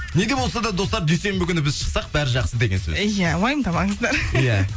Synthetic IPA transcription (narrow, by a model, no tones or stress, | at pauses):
ne̞d̪ʲe̞bo̞lˠsɑd̪ɑd̪o̞st̪ɑɾd̪ejse̞mbɪkʲʏnɪbɪzʃə̥qsɑq̚bæɾɪʒɑqsəd̪eɡʲe̞nsɵ̰zjæwɑjəmd̪ɑmɑŋəzd̪ɑɾjæ